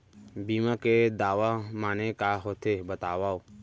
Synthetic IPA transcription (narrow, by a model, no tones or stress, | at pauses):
biːmãːked̪aːʋamaːnekaːɦoːt̪ʰebət̪aːʋaːo